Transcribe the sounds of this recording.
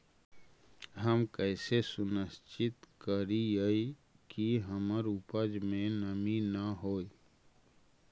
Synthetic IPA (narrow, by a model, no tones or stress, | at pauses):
ɦəmkɛːsesʊnəst͡ʃɪt̪kəɾijəi | kiɦəməɾupəd͡ʒmẽnəminəɦoːe